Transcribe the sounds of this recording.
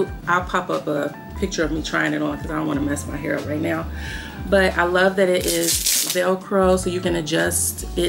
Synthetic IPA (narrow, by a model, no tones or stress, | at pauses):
ʔaɪlˠpʰɑpʌpə | pʰɪk̚t͡ʃə˞ʌvmitʰɹ̥aɪɪ̃ŋɨɾn̩kʰʌzadõʊ̃nwɑ̃nəmɛsmaɪɦɛ̰ɹʌ̰p̚ɹaɪtⁿnaʊ | b̥ʌɾa̰ɪlʌvðɨɾɪɾʔɪz̥vɛlˠkʰɹ̥oʊsoʊjɨkɨ̃nɨd͡ʒʌst | ɪ